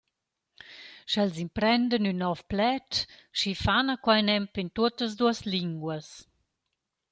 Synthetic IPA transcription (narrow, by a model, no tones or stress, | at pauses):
ʃɛlzimpɾɛnd̪ənynːɔfplɛtʃifanakwajnɛmpint̪uət̪əs̬d̪uəsliŋɡwəs